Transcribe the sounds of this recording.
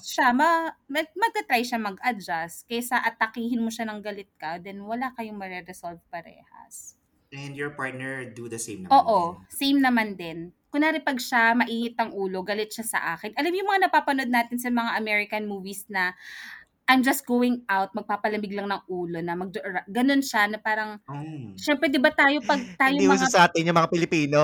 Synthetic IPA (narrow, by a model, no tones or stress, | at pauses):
ʃamɐmɐmɐɡ̚t̪ɐt̪ɾajʃamɐɡʔɐd͡ʒaskɛsaʔɐt̪ːɐkiːhɪnmoʃanɐŋɡɐlɪt̪̚kɐd̪ɛnwɐlakɐjoŋmɐɾɛɾɛsolvpɐɾɛ̰ːhɐ̰s | ʔɛnd̪jɔɹpaɹt̪̚nɛɹd̪ud̪ɐsejmɐʔoːʔosejmnɐmand̪ɛnkʊnaːɾɪpɐɡʃamɐʔiːŋɪt̪̚ːɐŋʔuːlo̞ɡɐlɪt̪̚ʃasɐ̰ʔaːkɪnʔɐlamjʊŋmɐŋanɐpaːpɐnd̪̚naːt̪ɪnsɐmɐŋaʔɐmɛɹɪkɐnmuːvisnɐ | ʔajmd͡ʒɐst̪̚ɡ̥owɪŋʔawt̪̚mɐɡ̚paːpɐlɐmɪɡ̚lɐŋnɐŋʔuːlo̞nɐmɐɡ̚d͡ʒɾɐɡɐno̞nʃanɐpaːɾɐŋʃɛmpɾɛd̪ɪbat̪aːjo̞pɐɡ̚t̪aːjomuŋasɐʔaːt̪ɪnjʊŋmɐŋapɪlɪpiːno